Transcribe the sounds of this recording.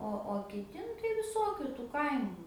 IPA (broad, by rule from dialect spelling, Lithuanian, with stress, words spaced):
ˈoː oː kʲɪˈtʲɪ nʊ tɐɪ ʋʲɪˈsoːkʲʊ tuː ˈkɐɪmʊ